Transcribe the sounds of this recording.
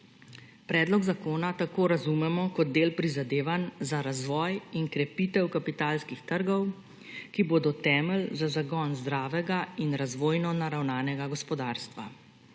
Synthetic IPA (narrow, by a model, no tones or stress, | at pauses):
pɾɛːd̪lɔɡzakoːnat̪akoːɾazumɛmɔkɔd̪̚d̪eːlpɾizad̪eːʋanzaɾazʋɔːjinkɾɛpit̪ɛwkapit̪aːlskixt̪əɾɡɔw | kiboːd̪ɔt̪ɛːməlzazaɡɔnzd̪ɾaːʋɛɡainɾazʋoːjnɔnaɾawnaːnɛɡaɡɔspɔd̪aːɾst̪ʋa̰